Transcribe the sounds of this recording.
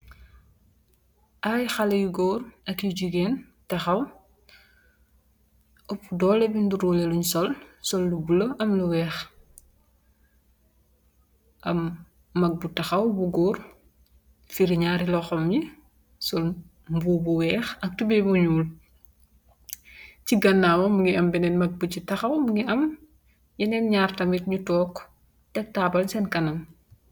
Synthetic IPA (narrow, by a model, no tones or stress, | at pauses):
ʔajxɐlɛjuɡɔːrɐkjiɟuɡɛːn | tɐxɐw | ʔɔpːdɔːlɛbinduɾɔlɛluɲsɔlsɔlːubulɐʔɐmluwɛːx | ʔɐmː | ɐk̚butɐxɐwbuɡɔːr | fiɾiɲaːɾilɔxɔmji | sɔl | mbuːbuwɛːxɐk̚tubɛbuɲuːl | ciɡɐnːaːwɐmuŋɡiɐmbɛnɛnmɐk̚bucitɐxɐwmuŋɡiʔɐm | jɛnɛnɲaːrtɐmit̚ɲutɔːk | tɛk̚taːbɐlsɛnkɐnɐm